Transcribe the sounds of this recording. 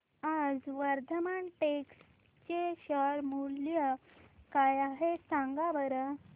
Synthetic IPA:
ad͡zʋəɾd̪ʱəmaɳʈeks | t͡ɕeɕəɾmulljəkajaɦesãŋɡaʋəɾə

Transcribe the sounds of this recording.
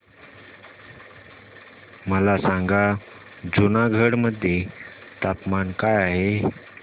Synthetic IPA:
məlasãŋɡa | d͡zunaɡʱəɽməd̪ʱjet̪apmankajaɦe

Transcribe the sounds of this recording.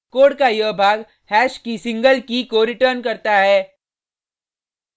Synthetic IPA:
koːɽkajəbʱaːɡ | hɛːʃkisɪ̃ŋɡəlkikoɾɪʈəɾnkɐɾt̪aɦɛː

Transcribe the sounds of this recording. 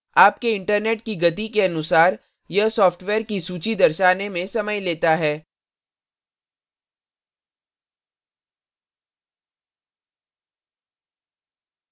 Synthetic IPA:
aːp̚keɪ̃ɳʈəɾneːʈ̚kiɡɐt̪̬ikeɐnʊsaːɾ | jɐsɔːfʈʋeːɾkisuːt͡ʃid̪ɐɾʃaːnemẽsɐməjleːt̪aɦɛː

